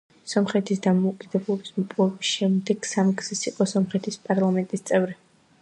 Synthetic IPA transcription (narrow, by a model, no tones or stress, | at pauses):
sɔmχɛt̪ʰisd̪amɔukʼid̪ɛblˠɔbismɔpʼɔɛbisʃɛmd̪ɛɡ̥samɡz̥isiqʼɔsɔmχɛt̪ʰispʼaɾlˠamɛnt̪ʼist̪sʼɛvɾi